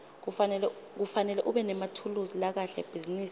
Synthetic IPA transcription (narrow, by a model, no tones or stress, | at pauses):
lk̬ufanɛlɛʔuɓɛnɛmatʰuluzilak̬aɬɛ̰b̥ʱiziniːsi